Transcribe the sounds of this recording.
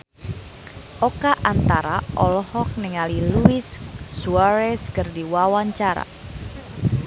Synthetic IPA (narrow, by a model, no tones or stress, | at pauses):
ʔɔkaʔant̪aɾaʔɔlɔhɔk̚nɛŋaliluɪsːuaɾɛskərdiwawaɲt͡ʃaɾa̰